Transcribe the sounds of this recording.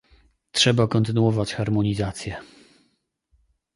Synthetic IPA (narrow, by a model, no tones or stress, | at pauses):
tʂɛbakɔnt̪ɘnuɔvat͡ɕxaɾmɔɲizat̪sʲjɛ